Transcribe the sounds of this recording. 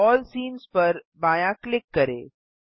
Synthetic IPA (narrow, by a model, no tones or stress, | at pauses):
ɔːlsiːnzpɐɾbaːjãklɪkːɐɾḛː